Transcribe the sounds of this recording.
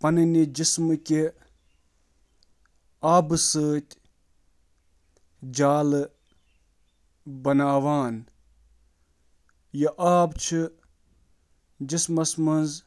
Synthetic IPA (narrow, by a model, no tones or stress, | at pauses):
pɐnɨnid͡ʒismɨki | aːbɨsəːt̪ʲ | d͡ʒaːlɨ | bɐnaːʋaːn | jɐʔaːbt͡ʃʰi | d͡ʒismɐsmɐnz